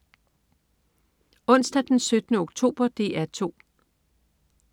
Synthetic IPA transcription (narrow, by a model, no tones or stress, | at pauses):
ɔ̽n̰sd̥æd̥ensød̥ənəoɡ̥t͡sʰo̝̰ːb̥ɐd̥e̝̰æɐt͡sʰo̝̰ː